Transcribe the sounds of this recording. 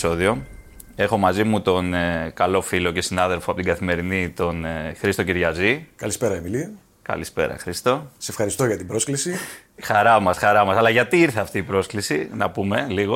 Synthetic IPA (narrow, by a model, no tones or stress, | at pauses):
so̞ðio̞ | e̞xo̞mɐzimut̪o̞nkɐlo̞filo̞ce̞sinɐðe̞lfoɐpot̪iɡɐθime̞ɾinit̪o̞nxɾist̪ociɾʝɐzikɐlispe̞ɾɐemili | kɐ̰lispe̞̰ɾɐ̰xɾist̪o̞sefxɐɾist̪oʝɐt̪ibɾo̞sklisixɐɾɐmɐsxɐɾɐmɐsɐlɐʝɐt̪iiɾθeɐft̪iːpɾo̞sklisinɐ̰pume̞liɣo